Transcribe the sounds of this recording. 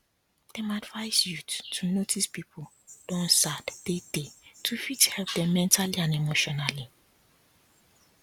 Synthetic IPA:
d̥emaadvaɪsjuttʰunotʰispipʰol | d̥ɔ̃nsadd̥ed̥etʰufithɛlp̚dɛ̃mɛ̃ntʰaliãnemoʃɔnali

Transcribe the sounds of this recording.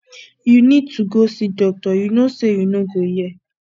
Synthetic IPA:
junĩd̚tuɡosidɔk̚tɔjunõsejunũɡojɛ

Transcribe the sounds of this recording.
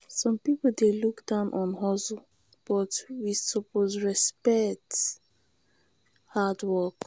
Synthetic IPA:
sɔ̃mpipodelukdãʊ̃nʔɔ̃nɦɔzu | b̥ɔtwisɔpozɹɛspɛk̚t | hadwɔk

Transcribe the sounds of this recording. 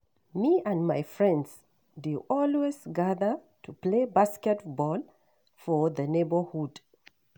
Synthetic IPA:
miə̃nmaɪfɹɛ̃ndz̥ | duʔɔlwezɡaðə˞ | tʰuplebaskɛtbɔl | fɔ˞ðənebə˞hud̥

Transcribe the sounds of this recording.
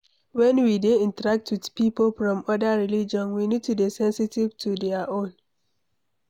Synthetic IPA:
wɛ̃nwideĩntəɹak̚twidpipolfɹɔ̃mɔdaɹilid͡ʒɔ̃nwinid̚tudesɛ̃nsitivtʰudɛaʔõn

